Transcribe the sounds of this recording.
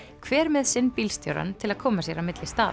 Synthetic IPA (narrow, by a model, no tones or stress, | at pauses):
kʰvɛːɾmɛðsɪnːpilst̪jo̰wɾa̰nt̪ʰɪlaðkʰɔːmasjɛɾawmɪt̪lɪst̪a̰ː